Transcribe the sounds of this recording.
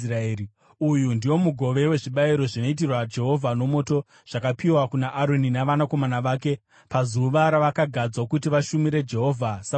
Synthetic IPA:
raeːi | ujundiwo̞muɡʱo̞ʋe̞we̞ʐiɓaiɾo̞ʐino̞it̬irwad͡ʒe̞ɦo̞vʱano̞mo̞to̞ | ʐ̥akapiwakunaʔaɾo̞ninaʋanako̞manaʋaːke̞ | pazuʋaɾaʋakaɡʱad͡zwakutiʋaʃumiɾe̞d͡ʒe̞ɦo̞ːvʱasa

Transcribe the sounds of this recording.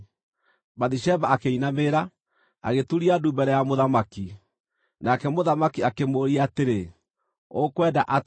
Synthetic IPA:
baðiʃɛbaːkeinameːɾa | a̰ɣetuɾiadubɛɾɛjamoðamaki | nakɛmoðamakiakemoɾiateɾe | okwɛdaʔa

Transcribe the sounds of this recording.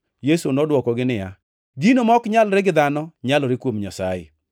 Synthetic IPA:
jesonɔdwɔkɔɡɪnɪja̰ | ɡinomɔkɲalɾɪɡɪd̪anɔɲalɔɾɪkwomɲasa̰jɪ̰

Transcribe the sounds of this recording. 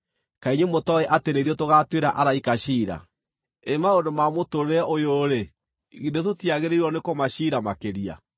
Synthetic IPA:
kaiɲemotɔɛʔateneðiɔtoɣatweɾaʔaɾaikaɕiːɾa̰ | emaondomamotoɾɛʔojoɾe | ɣidetotiaɣeɾeiɾwɔnekomaɕiːɾamakeɾia̰

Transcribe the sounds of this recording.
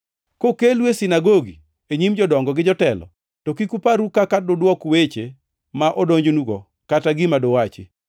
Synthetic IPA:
kokelwesɪnaɡoɡḭ | eɲimd͡ʒɔdɔŋɡɔɡɪd͡ʒɔtɛlɔ̰ | tɔkikupaɾukakadodwɔkwet͡ʃe | maʔɔdoɲd͡ʒonuɡɔ | kataɡɪmadowat͡ʃɪ̰

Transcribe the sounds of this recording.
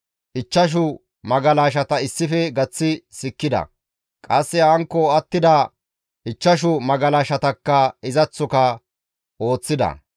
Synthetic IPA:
ʔɪt͡ʃːɐʃ̬ʊ | mɐɡɐlaːʃ̬ɐt̪ɐɪsːɪfɛɡɐt͡sːɪsɪkːɪd̪ɐ̰ | kʼɐsːɛhaːŋkːɔɐt̪ːɪd̪ɐ | ʔɪt͡ʃːɐʃ̬ʊmɐɡɐlaːʃɐt̪ɐkːɐɪzɐt͡sːɔkɐ | ʔo̞ːt͡sːɪd̪ɐ̰

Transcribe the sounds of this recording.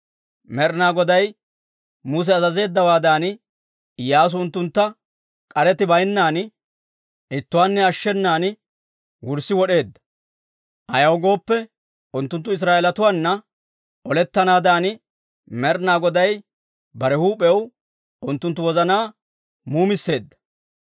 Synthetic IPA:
mɛɾnaːɡɔd̪ɐj | mʊs̬ɛɐzɐze̞ːd̪ːɐwaːd̪aːn | jaːs̬ʊʊnt̪ːʊnt̪ːɐ | kʼɐɾɛt̪ɪbɐjnːaːn | ɪt̪ːʊwaːnːɛɐʃːɛnːaːn | wʊɾsːɪwɔɗe̞ːd̪ːɐ̥ | ʔɐ̰jɐwɡo̞ːpːɛ | ʔʊnt̪ːʊnt̪ːʊɪs̬ɾaːɛlɐt̪ʊwaːnːɐ | ʔɔlɛt̪ːɐnaːd̪aːn | mɛɾnaːɡɔd̪ɐj | bɐɾɛhuːpʼɛw | ʊnt̪ːʊnt̪ːʊwɔzɐnaː | muːmɪsːe̞ːd̪ːɐ̥

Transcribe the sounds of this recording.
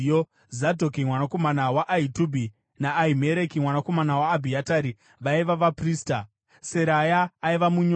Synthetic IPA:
o | zadʱok̬imwanako̞manawaʔaitubʱi | naːime̞ɾekimwanako̞manawaːbʱiataːɾi | ʋaiʋaʋapriːsta | se̞ɾajaːiʋamuɲ

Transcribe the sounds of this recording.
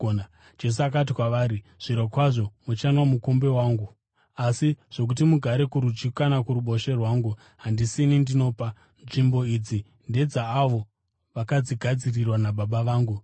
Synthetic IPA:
d͡ʒe̞s̬uakatikwaʋaːɾi | ʐ̥iɾokwaʐo̞mut͡ʃanwamukombe̞waːŋɡu | asiʐ̥o̞k̬ut̬imuɡʱaɾe̞kuɾud͡ʒikanakuɾuɓo̞ʃe̞rwaːŋɡu | ɦandisinindino̞ːpa | nʐimbo̞id͡zi | nde̞d͡zaːʋo̞ | ʋakad͡ziɡʱad͡zirirwanaɓaɓaʋaːŋɡu

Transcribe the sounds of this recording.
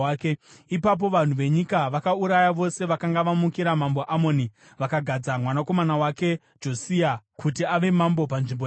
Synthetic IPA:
keipap̬o̞ʋan̤uʋe̞ɲikaʋakauɾajaʋo̞se̞ʋakaŋɡaʋamukiɾamambo̞ʔamo̞ni | ʋakaɡʱad͡zamwanako̞manawake̞ | d͡ʒo̞siakutiaʋe̞mambo̞panʐimbo

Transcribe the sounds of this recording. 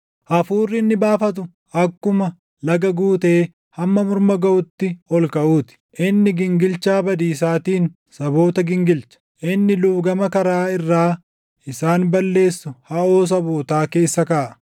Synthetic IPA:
ʔɐfuːrːɪnːɪbaːfɐt̪̬ʊ | ɐkːʊmɐ | lɐɡɐɡuːt̪e̞ː | hɐmːɐmʊɾmɐɡɐʔʊt̪ːɪɔlkɐʔuːt̪ɪ̥ʔɪnːɪɡɪŋɡɪlt͡ʃaːbɐd̪iːs̬aːt̪iːn | sɐbo̞ːt̪ɐɡɪŋɡɪlt͡ʃɐ̥ʔɪnːɪluːbɡɐmɐkɐɾaːɪrːaː | ɪsaːnbɐlːe̞ːsːʊhɐʔo̞ːs̬ɐboːt̪aːke̞ːsːɐkaːʔɐ̥

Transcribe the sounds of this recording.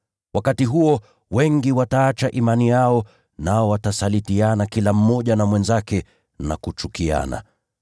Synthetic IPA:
wakatiɦuɔ | wɛŋɡiwataat͡ʃaʔimanijaɔ | naɔwatasalitianakilam̩mɔʄanamwɛnzakɛ | nakut͡ʃukia̰na̰

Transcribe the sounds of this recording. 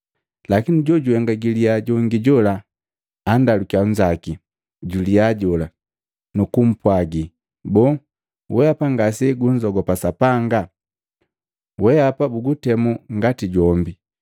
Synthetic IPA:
lakiniɟɔɟuwɛŋɡaɡiliaɟɔŋɡiɟɔla | andalukiaɲ̩d͡ʒaki | ɟuliaɟɔla | nukum̩pwaɡi | bɔː | wɛapaŋɡasɛɡuɲd͡ʒɔɡɔpasapaŋɡa | wɛapabuɡutɛmuŋɡatiɟɔmbi

